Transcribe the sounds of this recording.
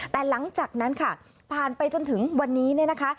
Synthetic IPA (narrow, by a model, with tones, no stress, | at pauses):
t̪ɛː˨˩la˩˦ŋt͡ɕaː˨˩k̚na˦˥nkʰa˥˩ | pʰaː˨˩npa˧jt͡ɕo˧nt̪ʰɯ˩˦ŋwa˧nːiː˦˥ni˥˩ɐna˦˥kʰa˦˥